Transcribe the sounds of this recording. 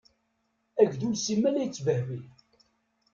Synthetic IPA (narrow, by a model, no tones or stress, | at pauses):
æʝd̪ulsimːælæjt͡sːvəhwi